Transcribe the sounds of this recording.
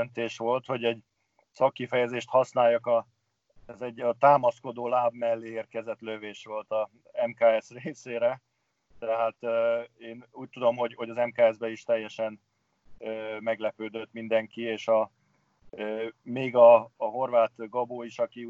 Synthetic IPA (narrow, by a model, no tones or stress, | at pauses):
nt̪eːʃʋo̞lt̪ho̞ɟɛɟ | sɒkːifɛjɛzeːʃt̪hɒsnaːjɒkɒ | ɛzɛɟɒt̪aːmɒsko̞d̪oːlaːbmɛlːeːeːrkɛzɛt̪løveːʃʋo̞lt̪ɒ | ɛmkaːɛsreːseːɾɛ | t̪ɛɦaːt̪øeːnuːc̚t̪ud̪o̞mɦo̞ɟho̞ɟɒzɛmkaːɛzbɛiʃt̪ɛjːɛʃɛn | øːmɛɡlɛpøːd̪øt̪mind̪ɛŋkieːʃɒ | øːmeːɡɒːɦo̞rʋaːt̪ɡɒboːiʃɒki